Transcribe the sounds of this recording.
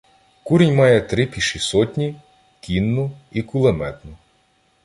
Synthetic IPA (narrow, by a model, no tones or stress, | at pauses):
kuɾenʲmɑjɛt̪ɾɪpʲiʃisɔtʲnʲi | kʲinːʊikʊlˠemɛt̪nʊ